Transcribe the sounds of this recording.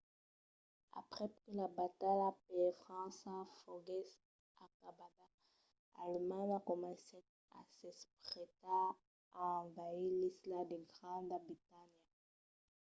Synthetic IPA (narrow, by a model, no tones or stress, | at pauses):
a̰pχɛəlabatalap̚ɛfχɑ̃safoɡɛs | akabaɡa | almanakɔmɑ̃se | a̰sɛspχɛtaː | ɑ̃vajilislad̪eɡʁɑ̃d̪abitanja